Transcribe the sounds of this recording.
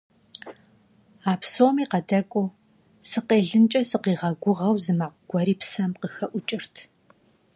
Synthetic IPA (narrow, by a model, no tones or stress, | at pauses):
aːpsoːmiːqɐdɐkʷʼʊ | sɨqeːɮɨnt͡ʃʼɐsɨqiːʁɐɡʷʊʁɐwzɨmaːqɡ̥ʷɔɾiːpsɐmqəxɐʔʷʊt͡ʃʼɪr̥tʰ